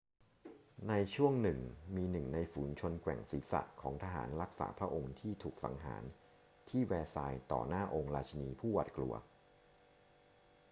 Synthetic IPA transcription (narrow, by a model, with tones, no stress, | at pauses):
na˧jt͡ɕʰu˥˩əŋnɯ˨˩ŋmiː˧nɯ˨˩ŋna˧jfuː˩˦nt͡ɕʰo˧nkwɛ̰˨˩ŋsi˨˩˦sa̰˨˩kʰɔː˩˦ŋt̪ʰaː˧ɦa̰ː˩˦nɾa˦˥k̚sa̰ː˩˦pʰɾa˦˥ʔo˧ŋt̪ʰiː˥˩t̪ʰuː˨˩k̚sa̰˩˦ŋɦa̰ː˩˦n | t̪ʰiː˥˩wɛː˧saː˧jt̪ɔ̰ː˨˩naː˥˩ʔo˧ŋɾaː˧t͡ɕʰa˧niː˧pʰuː˥˩wa̰ː˨˩t̪̚klṵ˧ɐ